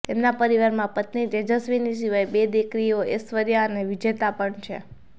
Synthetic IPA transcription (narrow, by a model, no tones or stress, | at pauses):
t̪emnapəɾiʋaɾmãpət̪nit̪ed͡ʒəsʋinisiʋajbed̪ikɾijoesʋəɾjaəneʋid͡ʒet̪apəɳt͡ʃʰḛ